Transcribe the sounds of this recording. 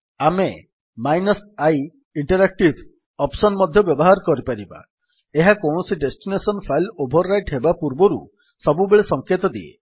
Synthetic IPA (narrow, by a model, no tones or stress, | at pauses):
ame | majnɔsaj | iɳʈɔɾak̚ʈib | ɔpsɔnmɔd̪ʱjɔbjɔbɔɦaɾɔkɔɾipaɾiba̰ | eɦakɔ̃ɔsiɖesʈinesɔnpʰajlobʱɔɾːajʈɦebapuɾbɔɾṵ | sɔbubeɭesɔŋket̪ɔd̪ḭḛ